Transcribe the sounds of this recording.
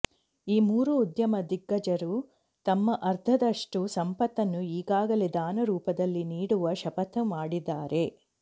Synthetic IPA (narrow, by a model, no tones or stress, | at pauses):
iːmuːɾuːd̪jɐmɐd̪iɡːɐd͡ʒɐɾu | t̪ɐmːɐʔɐɾd̪ʱʰɐd̪ɐʂʈusɐmpɐt̪ːɐnːuiːɡaːɡɐled̪aːnɐɾuːpɐd̪ɐlːiniːɽuʋɐʃɐpɐt̪ːɐmaːɽid̪aːɾʔe̞